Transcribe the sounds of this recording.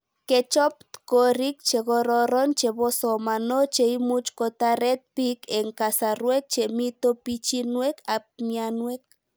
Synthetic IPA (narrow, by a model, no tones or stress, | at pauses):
ket͡ʃop̚t̪koɾik̚t͡ʃeɡoɾoɾont͡ʃebosomanot͡ʃeimut͡ʃkot̪aɾet̪̚pikeŋkasaɾwek̚t͡ʃemit̪opit͡ʃinwekap̚mianwek̚